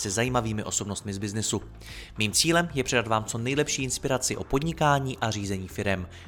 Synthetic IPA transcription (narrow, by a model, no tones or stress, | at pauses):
sɛzajiːmaviːmɪʔo̞so̞bno̞st̪mɪzbɪznɪsu | miːmt͡siːlɛmjɛpr̝̥ɛdat̪vaːmt͡so̞nɛjlɛpʃiːʔɪnspɪɾat͡sɪʔo̞po̞dɲɪkaːɲiːʔariːzɛɲiːfɪɾɛm